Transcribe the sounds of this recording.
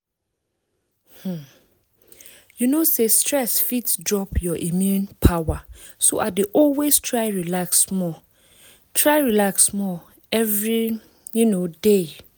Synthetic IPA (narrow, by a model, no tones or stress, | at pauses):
h̩ | junosestʰɹɛsfitsdɹɔpjɔʔimjũnpʰawaso̰ʔadeʔɔlwestʰɹaɪɹilaksmɔ | tʰɹaɪɹilaksmɔ | ɛvɹi | junode